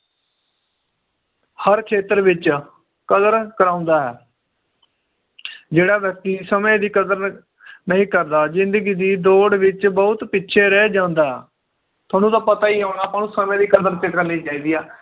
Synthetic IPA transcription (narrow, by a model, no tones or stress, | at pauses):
həɾkʰeːt̪əɾʋɪt͡ʃ | kəd̪əɾkəɾãːʊ̃nd̪aːɦɛː | d͡ʒeːɽaːʋjɛk̚t̪iːsəmẽːd̪iːkəd̪əɾ | nəɦĩːkəɾd̪aːzɪ̃nd̪əɡiːd̪iːd̪oːɽʋɪt͡ʃbəʊt̪pɪtːʃʰeːɾɛːd͡ʒãːnd̪aːɦɛ̰ː | t̪ʰʊaːnũːt̪ãːpət̪aːiːɦaːɽaːpãːnũːsəmẽːd̪iːkəd̪əɾt̪eːkəɾniːd͡ʒaːiːd̪iːaː